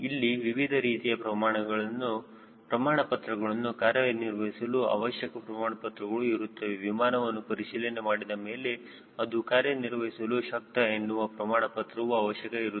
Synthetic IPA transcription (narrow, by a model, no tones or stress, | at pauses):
ilːiʋiʋid̪ʱɐɾiːt̪ijɐpɾɐmaːɳɐɡɐɭɐnːu | pɾɐmaːɳɐpɐt̪ɾɐɡɐɭɐnːukaːɾjɐniɾʋɐɦisɐluɐ̰ʋɐʃjɐkɐpɾɐmaːɳɐpɐt̪ɾɐɡɐɭuiɾut̪ːɐʋeʋimaːnɐʋɐnːupɐɾiʃiːlɐnemaːɽid̪ɐme̞ːle̞ | ɐd̪ukaːɾjɐniɾʋɐɦisɐluʃɐk̚t̪ɐenːuʋɐpɾɐmaːɳɐpɐt̪ɾɐʋuɐʋɐʃjɐkɐiɾu